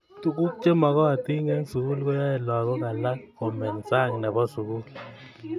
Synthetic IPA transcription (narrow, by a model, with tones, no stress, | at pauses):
tu˨ku˦k̚t͡ʃe˦mɔ˨kɔ˦a˨ti˦ŋe˦ŋsu˨ku˦lko˦ja˦ɛ˨lɔ˨kɔ˦ŋa˨la˦k̚ːo˨mɛ˨nsa˦˨ŋnɛ˨bɔ˦su˨ku˦l